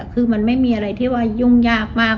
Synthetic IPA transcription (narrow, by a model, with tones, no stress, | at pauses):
kʰɯː˧ma˧nma˥˩jmiː˧ʔa˧ɾa˧jt̪ʰiː˥˩waː˧˩ju˧˩ŋjaː˧˥˩k̚maː˥˩